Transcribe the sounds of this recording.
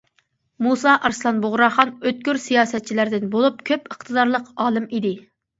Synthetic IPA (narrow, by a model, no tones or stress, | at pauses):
musɑʔɑɾslˠɑnboʁɾɑχɑnøt̪̚kʲyɾsijɑːsɛt̪̚t͡ʃʰilæɾd̪ɪnbolˠup̚kʲʰøpəχt̪ʰɨd̪ɑɾlˠəqɑːlˠɨmid̪ɪ